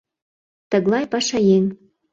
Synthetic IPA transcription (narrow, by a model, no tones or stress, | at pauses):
t̪ə̆ɣlɑjpɑʃɑjeŋ